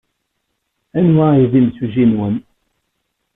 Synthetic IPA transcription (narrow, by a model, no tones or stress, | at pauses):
ænwaiðimsuʒinwən